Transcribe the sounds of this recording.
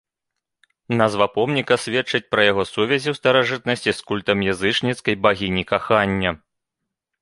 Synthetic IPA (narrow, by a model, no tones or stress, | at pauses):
nɐzvɐpɔmnʲikɐsʲvʲɛtt͡ʂɐt͡sʲpɾɐjaɣɔsuvʲɛzʲiwst̪ɐɾaʐɨt̪̚nɐsʲt͡sʲiskulʲt̪ɐmjazɨt͡ʂnʲit̪skɐjbaɣʲinʲikaxanʲːɐ